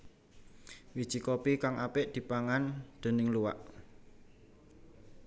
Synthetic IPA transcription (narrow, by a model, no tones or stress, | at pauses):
wid̥ʒ̥i̤kɔpikaŋʔapɪʔd̪̥i̤paŋand̪̥e̤nɪŋluwa̰ʔ